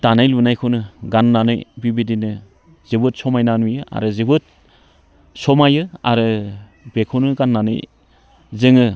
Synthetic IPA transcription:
tanajlunajkʰɯnɯɡanːanɯjbibidinɯ | zibɯt̚sɔmajnanujɯʔa̰ɾɯzibɯt̚ | sɔmajɯa̰ɾɯ | bekʰownɯɡanːanɯ̰j | zɯŋɯ

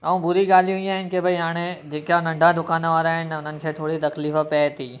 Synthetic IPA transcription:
ɐũbʊɾiɠaːl̤ijũĩaːɦɪnɪ̆kebʱɐiɦaːɽ̃ed͡ʑeːkãnɐ̃ɳɖʱad̪ʊkaːnʋaːɾaːɦɪnɪ̆ʊnənɪ̆kʰeːt̪ʰoːɽit̪ɐkliːfəpɛːt̪ʰiː

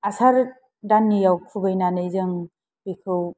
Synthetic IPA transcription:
asaɾ | danːijawkʰubajnanɯjzɯŋ | bikʰɯw

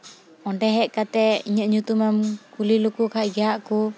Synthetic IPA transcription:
ɔɳɖɛɦɛʔkat̪ɛiɲəʔɲut̪umamkulilukukaʔɡaʔku

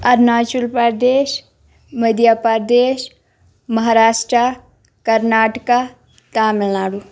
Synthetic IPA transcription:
ɐɾnaːt͡ʃulpad̪eːʃ | məd̪japaɾd̪eːʃ | mɐɦaːɾaːsʈɾa | kɐɾnaːʈka | t̪aːmɪlnaːɽu

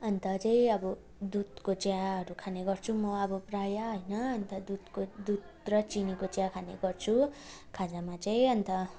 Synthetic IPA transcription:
ʌnt̪ʌt͡saĩʌbʌ | d̪ud̪kot͡sjãɦʌɾukʰaneɡʌrt͡sʰumʌʌbʌprajaɦʌjnʌʌnt̪ʌd̪ud̪kod̪ud̪ | rʌt͡sinikot͡sjãkʰaneɡʌrt͡sʰukʰad͡zamat͡saĩʌnt̪ʌ

